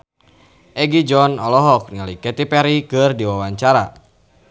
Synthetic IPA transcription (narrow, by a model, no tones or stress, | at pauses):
ʔɛɡid͡ʒɔnɔlɔɦɔk̚ŋalikɛt̪ipɛɾikɨrdiwawaɲt͡ʃaɾa